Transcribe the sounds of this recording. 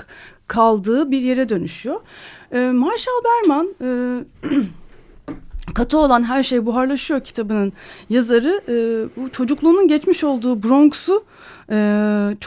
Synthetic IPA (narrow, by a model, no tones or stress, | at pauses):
kʰalˠd̪ɯːbiɾje̞ɾɛd̪ø̞nyʃyjo̞ː | maɾʃalˠbæɾmanɛː | kʰat̪ʰɯo̞lˠanɦæɾʃejbuɦaɾlˠaʃɯjo̞cʰi̥t̪ʰabɯnɯnjazaɾɯʔːbut͡ʃʰo̞d͡ʒuklˠuːnunɟɛt͡ʃmiʃo̞lˠd̪uːbɾo̞ŋksu | ɯːt͡ʃʰ